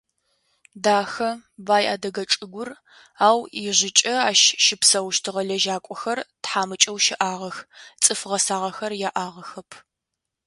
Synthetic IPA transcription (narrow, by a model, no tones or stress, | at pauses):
daːxɐbaːjʔa̰ːdɐɡɐt͡ʃʼɨɡʷʊr | aːwiʑɪt͡ʃʼɐaːʃʃɪpsɐwʃtʰɨʁɐɮɐʒaːkʷʼɔxɐrtħaːmɨt͡ʃʼɐwʃɪʔaːʁɐxt͡sʼɨfʁɐsaːʁɐxɐrjaʔaːʁɐxɐpʰ